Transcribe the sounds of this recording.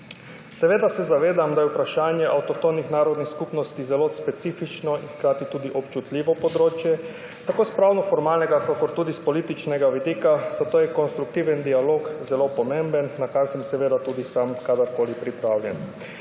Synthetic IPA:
sɛʋeːd̪asɛzaʋeːd̪amd̪ajɛupɾaʃaːnjɛʔawt̪ɔt̪onixnaːɾɔd̪nixskupnɔst̪izɛlospɛt̪siːfit͡ʃnɔinxkɾaːt̪it̪uːd̪iʔɔpt͡ʃut̪lʲiːʋɔpɔd̪ɾoːt͡ʃjɛ | t̪akoːspɾawnɔfɔɾmaːlnɛɡakakɔɾt̪uːd̪ispɔliːt̪it͡ʃnɛɡaʋid̪iːkaz̥at̪oːjɛkɔnst̪ɾuk̚t̪iːʋɛnd̪ialoːkzɛlopɔmẽmbənːakaɾsɛmsɛʋeːd̪at̪uːd̪isamkad̪aɾkoːlipɾipɾawljɛn

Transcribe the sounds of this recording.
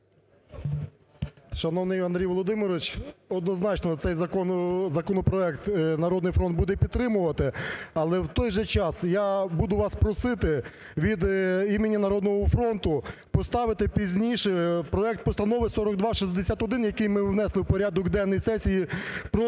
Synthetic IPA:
ʃɐnɔwnɪjɐnd̪ɾʲijʋɔlˠɔd̪ɪmɪɾɔʋɪt͡ʃɔd̪nɔznɑt͡ʃnɔt̪sɛjzɐkɔzɐkɔnɔpɾɔɛkt̪nɐɾɔd̪nɪjfɾɔnd̪bud̪ɛpʲid̪̚t̪ːɾɪmʊʋɐt̪ɪɐlˠɛwt̪ɔjʒɛt͡ʃɑsjabud̪ʊʋɑspɾɔsɪt̪ɪ | ʋʲid̪imenʲːɐnɐɾɔd̪nɔɦɔfɾɔnt̪ʊpɔst̪ɑʋɪt̪ɪpʲizʲnʲiʃɛpɾɔɛk̚t̪̚pɔst̪ɐnɔʋɪsɔɾɔɡd̪ʋɑʃizʲd̪esʲat̪ɔd̪ɪnjɐkɪjmɪwn̪ɛslˠɪwpɔɾʲad̪ɔkd̪ɛnːɔjsɛsʲijipɾɔ

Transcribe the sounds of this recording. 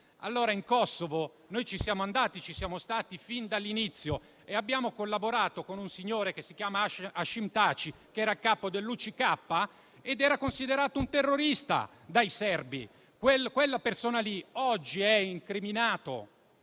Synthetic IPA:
a̰lːoːɾaiŋkɔsːovo | nojt͡ʃisjaːmoand̪aːt̪it͡ʃisjaːmost̪aːt̪ifind̪alːinit̪sːjo | eabːjaːmokolːaboɾaːt̪okonunsiɲːoːɾekesːik̟jaːmaaʃːimt̪aːt͡ʃikeɛːɾakaːpod̪elːut͡ʃikapːa | ed̪ɛːɾakonsid̪eɾaːt̪ount̪erːoɾist̪a̰ | d̪ajsɛrbḭ | kwelkwelːapersoːnaliɔd͡ʒːiɛiŋkɾiminaːt̪o̰

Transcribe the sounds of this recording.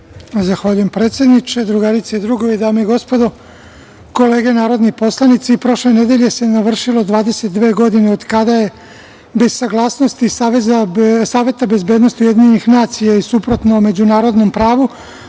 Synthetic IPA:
zaxʋaʎujempɾe̞ːt̪sje̞d̪nit͡ʃed̪ɾuɡaɾit̪seid̪ɾuɡoʋid̪aːmoiɡo̞spo̞d̪o̞ | ko̞le̞ːɡenaːɾo̞d̪nipo̞slˠanit̪sipɾo̞ʃlened̪e̞ʎe̞se̞naʋr̩ʃilˠod̪ʋaːd̪e̞set̪̚d̪ʋeːɡo̞d̪ineod̪kad̪aje̞ | be̞zsaɡlˠaːsnost̪isesaːʋe̞t̪abe̞zbed̪nost̪iuje̞d̪iɲenixnaːt̪sijaisupɾo̞t̪nome̞d͡ʑunaːɾo̞d̪no̞mpɾaːʋu

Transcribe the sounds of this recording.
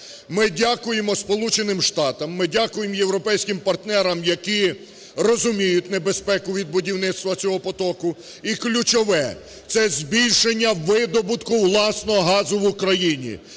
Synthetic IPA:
mɪdʲakʊjemɔspɔlˠut͡ʃenɪmʃt̪ɑt̪ɐmːɪdʲakʊjemje̞wɾɔpɛjsʲkɪmpɐrt̪nɛɾɐmjɐkʲi | rɔzʊmʲijʊtʲne̞bespɛkʊʋʲid̪̚bʊdʲiwnɪt̪st̪ʋɐt͡sʲɔɦɔpɔt̪ɔkʊ | iklʲʊt͡ʃɔʋɛ | t̪sɛzʲbʲilʲʃenʲːɐʋɪd̪ɔbʊt̪kʊwlˠɑsnɔɦɔɦɑzʊʋʊkɾɐjinʲḭ

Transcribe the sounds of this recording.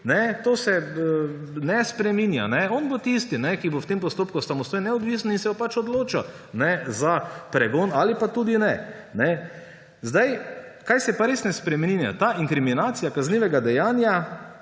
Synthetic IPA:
nɛt̪oːsɛ | nɛspɾɛminja̰nɛɔnbot̪ist̪inɛkibowt̪empɔst̪oːp̚kʊsamɔst̪oːjnɛɔd̪ʋiːsnɔinsɛjɔpat͡ʃɔd̪loːt͡ʃa | nɛzapɾɛɡoːnalipat̪uːd̪inɛ | nɛ | zd̪ajkajsɛpaɾeːsnɛspɾɛminja̰t̪aːʔiŋkɾiminaːt̪sijakazniːʋɛɡad̪ɛjaːnja

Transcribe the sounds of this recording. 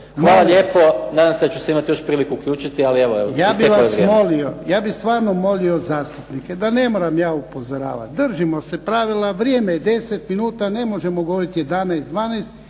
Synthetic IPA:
xmʋaːlaʎeːponaːd̪amsed̪at͡ʃuseimat̪ijo̞ʃpɾiːlikuukʎʲuːt͡ʃit̪ialieʋoejaːbiʋasmo̞lio̞jaːbist̪ʋaːɾno̞mo̞lio̞zaːst̪upnike̞d̪ane̞moːɾamjaːupo̞zoɾa̰ːʋa̰t̪̚d̪rʒimo̞se̞pɾaʋilaʋɾjeːmed̪e̞set̪minuːt̪ane̞mo̞ʒe̞moɡoʋoɾit̪je̞d̪anajst̪d̪ʋaːnajst̪

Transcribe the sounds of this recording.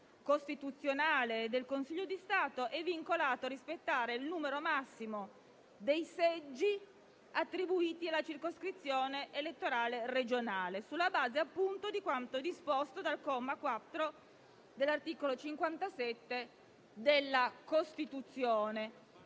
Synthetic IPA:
kost̪it̪ut̪sːjonaːled̪elkonsiʎːod̪ist̪aːt̪oʔɛvːiŋkolaːt̪oaɾispet̪ːaːɾeilnuːmeɾomasːimo | d̪ejsɛd͡ʒːi | at̪ːɾibuiːt̪ialːat͡ʃirkoskɾit̪sːjoːneʔelet̪ːoɾaːlered͡ʒonaːlesulːabaːzeapːunt̪od̪ikwant̪od̪ispost̪od̪alkɔmːakwat̪ːɾo | d̪elːart̪iːkolot͡ʃiŋkwant̪asɛt̪ːe | d̪elːakost̪it̪ut̪sːjoːne

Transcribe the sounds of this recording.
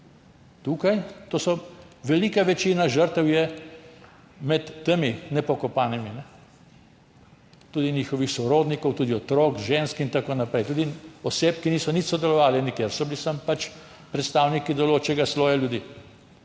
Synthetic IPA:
t̪ukajt̪oːsɔ | ʋɛliːkaʋɛt͡ʃiːnaʒəɾt̪ɛwjɛ | mɛt̪ːeminɛpɔkɔpaːniminɛ | t̪uːd̪iniːxɔʋixsɔɾoːd̪nikɔwt̪uːd̪iɔt̪ɾoːkʒeːnskint̪akonapɾɛjt̪uːd̪iɔseːpkiniːsɔnit̪sɔd̪ɛlɔʋaːlɛnikjeɾsɔbilisampat͡ʃ | pɾɛt̪st̪awnikid̪ɔloːt͡ʃɛɡasloːjaljud̪iː

